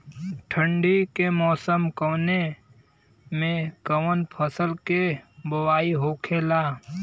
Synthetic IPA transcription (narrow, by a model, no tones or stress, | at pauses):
ʈʰə̃ɳɖikemɔːsəmkoːne | mẽkəʋənpʰəsəlkebəwaːiɦoːkʰeːlaː